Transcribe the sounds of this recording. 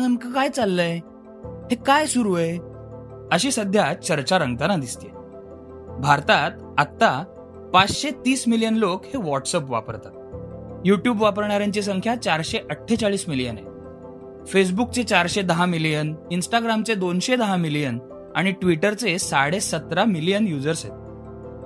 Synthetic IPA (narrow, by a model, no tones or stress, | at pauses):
nəŋkəkajt͡salːəj | hekajsuɾuəj | əɕiːsəd̪ʱjat͡ɕəɾt͡ɕaɾəŋɡ̚t̪anad̪ist̪ḛ | bʱaɾt̪at̪ | at̪ːa | pat͡sɕet̪iːsmilijənlokheʋɔʈsəpʋa̰pə̰ɾt̪at̪̚juʈjuːbʋapəɾɳaɾjãɲt͡ɕis̬əŋkʰjat͡ɕaɾɕeʔəʈʰːet͡saɭiːsmilijəna̰ | fes̬buk̚t͡set͡ɕaɾɕed̪əɦamilijəninsʈaɡɾamt͡sed̪onɕed̪əɦamilijən | a̰ɽ̃iʈʋiʈəɾt͡sesaɽesət̪ɾamilijənjud͡zəɾsɦet̪